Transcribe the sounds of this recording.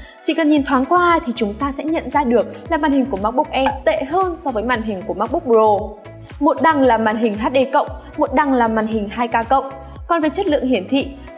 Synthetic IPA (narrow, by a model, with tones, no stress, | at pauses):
t͡ɕḭ˧˨kə˨˩nɲi˨˩nt̪ʰwaː˨˦nkwaː˧t̪ʰi˨˩t͡ɕʊ˨˦ŋ͡mt̪aː˧sɛ̰˧˥ɲə̰˧˨nzaː˧ɗɨ˨˩ək̚laː˨˩maː˨˩nhï˨˩ŋ̟ku˧˩əmaː˦˥k̚ɓʊ˦˥k͡p̚ʔɛ˧nt̪ḛ˧˨ɦəː˧nsɔ˧vəː˨˦jmaː˧˩nɦï˨˩ŋ̟ku˧˩əmaː˦˥k̚ɓʊ˦˥k͡p̚ɓo˨˩ | mo˨˩t̚ɗa˨˩ŋlaː˨˩maː˨˩nɦï˨˩ŋ̟ɦaː˦˥t̚ɗe˧kə̰˧˨wŋ͡m | mo˨˩t̚ɗa˨˩ŋlaː˨˩maː˨˩nɦï˨˩ŋ̟haː˧jkaː˧kə̰˧˨wŋ͡m | kɔ˨˩nveː˨˦t͡ɕə˦˥t̚lɨ̰˧˨əŋhi˧˩ənt̪ʰḭ˧˨